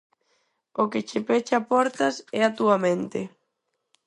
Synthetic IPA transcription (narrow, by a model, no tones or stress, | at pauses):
okɪt͡ʃɪpɛt͡ʃapɔɾt̪ɐsɛat̪uamẽnt̪ɪ